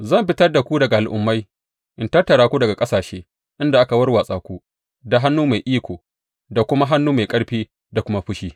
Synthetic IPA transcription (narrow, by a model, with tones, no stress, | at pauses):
zɐ˦˨mɸɪ˦tɐ˦rda˨kʷu˦dɐ˨ɡa˨ʔa˨lʔʊ̰˨˦mːa˦j | ʔɪ˨ntɐ˦rtːɐ˨ɽaː˦kʷu˦dɐ˨ɡa˨kʼɐ˦saː˨ʃeː˦ | ʔɪ˦nda˨ʔa˦ka˨wɐ˦rwaː˨sʼaː˨kʷu˦ | da˨ɦa˦nːuː˦ma˨jʔiː˦kʷoː˨ | da˨kʷʊ˦ma˦ɦa˦nːuː˦ma˨jkʼɐ˦ɽɸiː˦ | da˨kʷʊ˦ma˦ɸʊ˦ʃiː˦